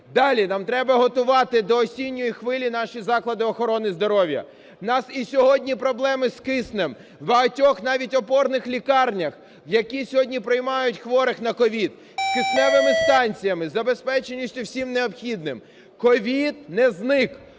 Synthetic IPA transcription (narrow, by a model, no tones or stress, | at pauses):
d̪ɑlʲinɑmt̪ɾɛbɐɦɔt̪ʊʋɑt̪ɪd̪ɔːsʲinʲːɔjixʋɪlʲinɑʃizɑklˠɐd̪ɪɔxɔɾɔnɪzd̪ɔɾɔʋʲjɐ̰ | nɑsisʲɔɦɔdʲnʲipɾɔblˠɛmɪskɪsnem | wbɐɦɐtʲɔxn̪ɑʋʲitʲɔpɔrnɪxlʲikɑrnʲɐx | jɐkʲisʲɔɦɔdʲnʲipɾɪjmɑjʊtʲxʋɔɾɪxnɐkɔʋʲid̪ | skɪsnɛʋɪmɪst̪ɑnʲt͡sʲijɐmɪzɐbespɛt͡ʃenʲʊsʲtʲʊwsʲimneɔpxʲid̪nɪm | kɔʋʲid̪nɛznɪk